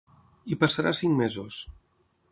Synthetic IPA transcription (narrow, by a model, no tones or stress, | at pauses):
ipasaɾasiŋmezus